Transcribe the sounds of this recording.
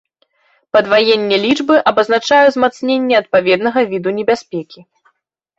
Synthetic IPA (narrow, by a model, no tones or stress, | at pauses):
pɐd̪vajenʲːɛlʲid͡ʐbɨʔɐbɐznat͡ʂajɛzmat̪snʲenʲːɛɐt̪̚pavʲɛd̪nɐɣɐvʲid̪unʲɛbʲasʲpʲɛkʲi